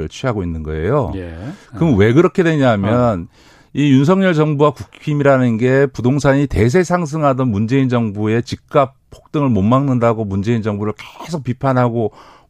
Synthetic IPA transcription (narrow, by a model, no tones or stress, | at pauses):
ɭt͡ɕʰiɦaɡoinːɯnɡʌ̰e̞̰jokɯmwe̞ɡɯɾʌkʰe̞dwe̞ɲaɦmjʌn | ijuns̬ʰʌŋɲʌɭd͡ʑʌŋbuwakukʰimiɾanɯnɡe̞pudoŋs̬ʰaɲite̞s̬ʰe̞sʰaŋs̬ʰɯŋɦadʌnmund͡ʑe̞ind͡ʑʌŋbue̞t͡ɕik̚k͈ap̚pʰo̥k̚t͈ɯŋɯɭmomːaŋnɯndaɡomund͡ʑe̞ind͡ʑʌŋbuɾɯɭke̥sʰok̚p͈ipʰanɦaɡo